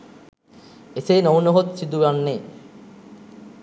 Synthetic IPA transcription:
eseːnownoɦot̪sid̪ujanːe

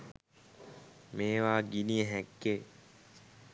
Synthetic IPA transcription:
meːʋaːɡinijəɦɛkːeː

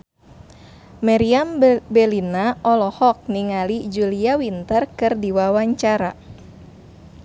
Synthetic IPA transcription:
maɾiambɛlinaʔɔlɔhɔk̚niŋalid͡ʒuliawint̪ərkɨrdiwawaɲt͡ʃaɾa

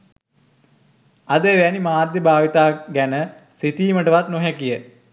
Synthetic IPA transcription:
ɐd̪əʋænimaːɾd̪jibʱaːʋit̪aːɡænə | sit̪iːməʈəʋat̪noɦakijə

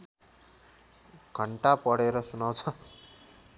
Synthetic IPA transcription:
ɡ̥ʱʌɳʈapʌɽeɾʌsunawt͡sʰʌ

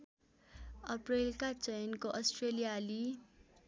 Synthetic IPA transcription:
ʌprelkat͡sʌjnkoʔʌsʈrelijali

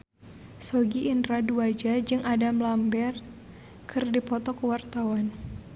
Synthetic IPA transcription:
soɡiːndɾaduad͡ʒad͡ʒɨŋʔadamlambɛr | kʰɨrdipɔt̪ɔkəwart̪awan

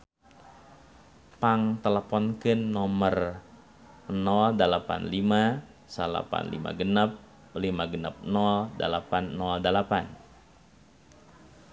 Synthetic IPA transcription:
paŋt̪ələpɔnkɨnːɔmər | nɔldəlapa̰nlima | səla̰pa̰nlḭma̰ɡənap̚ | limaɡəna̰p̚nɔldəlapanːɔldəlapan

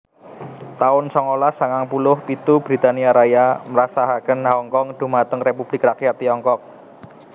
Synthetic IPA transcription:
t̪aʊnsɔŋolasaŋaŋpulʊhpit̪ub̥ɾi̤t̪aniaɾajaməɾasaɦakənɦaɔŋkɔŋd̪̥ṳmat̪əŋrepub̥lɪkrakjat̪ːijɔŋkɔk̚

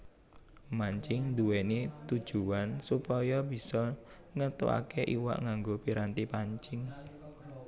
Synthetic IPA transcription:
maɲt͡ʃɪŋd̪uwenet̪ud̥ʒ̥uansupɔjɔb̥i̤sɔ | ŋət̪ṵa̰keʔiwa̰ʔŋaŋɡopiɾant̪ipaɲt͡ʃɪŋ

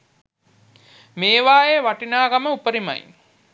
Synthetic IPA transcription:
meːʋaːeːʋaʈinaːɡaməupəɾima̰j

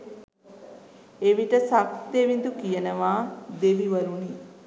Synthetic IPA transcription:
eʋiʈəsakt̪eʋind̪ukijənəʋaːd̪eʋiʋəɾuni

